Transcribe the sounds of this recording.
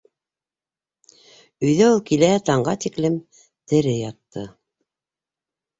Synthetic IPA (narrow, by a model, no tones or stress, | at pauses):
ɵ̆jðæulˠkilæt̪ɑɴɢɑt̪iklɘm | t̪ɘ̆ɾɘjɑt̪ːɤ̰